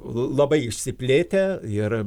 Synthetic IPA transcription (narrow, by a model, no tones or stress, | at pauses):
lˠɐbɐɪɪʃʲsʲɪpʲlʲeːt̪ʲɛɪr